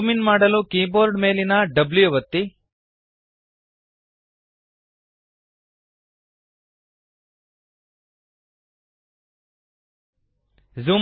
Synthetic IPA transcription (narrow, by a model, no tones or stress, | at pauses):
minmaːɽɐlukiːboːɾɖme̞ːlinɐɖɐbljuɐʋɐt̪ːi | zuːm